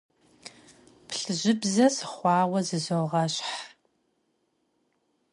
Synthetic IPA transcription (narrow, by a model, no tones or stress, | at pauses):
pʰɬɨʑɪbzɐsɨχʷɑːwɐzɨzowʁɐɕħ